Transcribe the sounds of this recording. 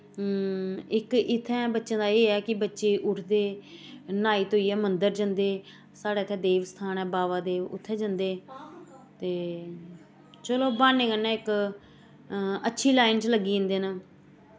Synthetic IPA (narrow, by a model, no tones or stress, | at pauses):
ɪkɪt̪ʰːɛ̃ːbətːʃãːd̪aːeːɛːkɪbətːʃeːʔʊʈʰd̪eːnaːiːt̪ɦoːiːɛːmənd̪əɾd͡ʒənd̪eː | saːɽeːɪt̪ʰɛːd̪eːʋst̪ʰaːnɛːbaːʋaːd̪eːʊ̰t̪ʰːɛːd͡ʒənd̪eː | t̪eː | t͡ʃəloːbaːnːẽːkənːɛ̃ːɪk | ətːʃʰiːlaːɪnsləɡːĩːnd̪eːnaː